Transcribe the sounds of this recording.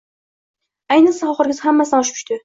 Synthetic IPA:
ajnɨsaχɒχɨɾɡʲɪzhamːasɪnaʊʃpʰʊ̥ʃʲt̪ɪ

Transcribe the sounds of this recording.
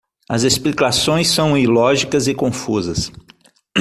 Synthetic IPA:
ɐzesplikasõj̃sːɐ̃w̃ilɔʒikɐzɪkõfuzɐs

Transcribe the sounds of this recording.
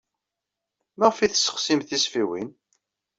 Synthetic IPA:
maʁfiθə̥sːə̥χsimθisfiwḭn

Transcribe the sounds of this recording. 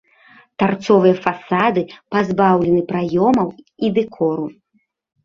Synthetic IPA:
t̪art̪sɔvɨjɐfasad̪ɨpazbawlʲɛnɨpɾajɔmɐwid̪ɛkʰɔɾu

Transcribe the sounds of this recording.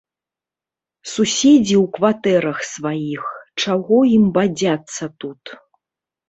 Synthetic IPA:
susʲed͡zʲiwkvat̪ɛɾɐxsvajixt͡ʂaɣɔimbad͡zʲat̪sːɐt̪ut̪

